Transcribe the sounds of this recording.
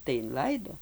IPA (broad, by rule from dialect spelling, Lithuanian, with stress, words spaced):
tɐɪ ɪnˈlˠɐɪdoː